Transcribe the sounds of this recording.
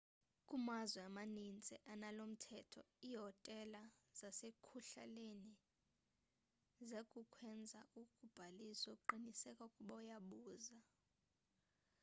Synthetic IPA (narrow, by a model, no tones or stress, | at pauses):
kʼumazwɛamanint͡sʼɛʔanalom̩tʰɛtʰɔ̰iɦɔtʼɛlaz̥asekʰuɬa̰leni | zekʼukʰwɛnd͡zʱaukʼub̥ʱaliswakǃinisɛkʼaukʼuɓaujaɓuːza